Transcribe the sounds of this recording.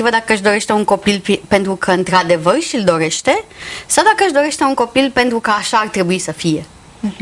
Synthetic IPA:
ivəd̪akəəʃd̪o̞ɾe̞ʃt̪euŋko̞pilpipe̞nt̪ɾukʰəɨnt̪ɾad̪e̞vərʃild̪o̞ɾe̞ʃt̪e̞sawd̪akəəʃd̪o̞ɾe̞ʃt̪e̞uŋko̞pilpe̞nt̪ɾukəaʃaːrt̪ɾe̞buisəfije̞

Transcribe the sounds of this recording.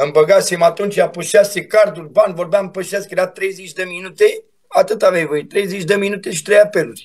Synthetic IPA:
ɨmbəɡasimat̪unt͡ʃʲjapuʃase̞kard̪urʲbanvo̞rbampəʃaskjeɾat̪ɾe̞jzet͡ʃʲd̪əminut̪e | at̪ɨt̪avejvoit̪ːɾe̞jzet͡ʃʲd̪əminut̪e̞ʃi̥t̪ɾejape̞lurʲ

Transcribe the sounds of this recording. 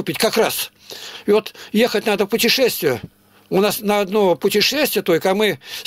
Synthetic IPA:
ʊpʲɪtʲkɐkras | ɪvot̪jexətʲnad̪əpʊtʲɪʂɛsʲt̪vʲɪjə | ʊnasnəɐd̪nopʊtʲɪʂɛsʲt̪vʲɪjət̪o̞lʲkəɐmɨ

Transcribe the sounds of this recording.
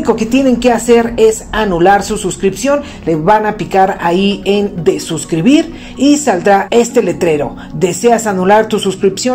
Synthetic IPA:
ko̞ke̞t̪je̞ne̞ŋke̞ase̞ɾe̞sanulaɾsususkɾipsjo̞n | le̞βanapikaɾaiend̪e̞suskɾiβiɾ | isald̪ɾae̞st̪e̞le̞t̪ɾe̞ɾo̞ | ðe̞se̞asanulaɾt̪ususkɾipsjo

